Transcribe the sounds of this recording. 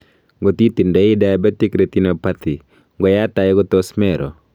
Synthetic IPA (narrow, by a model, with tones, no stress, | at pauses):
ŋɡo˨ti˦ti˨ndɔ˨ɪ˦da˦jbɛ˦ti˦kɾe˨t̪i˦no˨pa˦t̪ɪ˨ | ŋɡɔ˨ja˦ta˨jɛ˦ɡɔ˦tɔ˦smɛ˨ɾʔɔ̰˨